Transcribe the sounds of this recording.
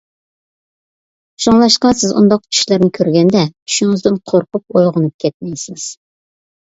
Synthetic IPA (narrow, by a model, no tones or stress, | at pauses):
ʃuŋlˠɑʃqɑsɪzṵnd̪ɑqt͡ʃʲʰy̥ʃlɪɾnɪkʲʰøɾɡʲɛnd̪ɛt͡ʃ̪ʰy̥ʃyŋɨzd̪ɪnqʰoɾqʊp̚ojʁʊnup̚kʲʰɛt̪̚mɛjsɪz̥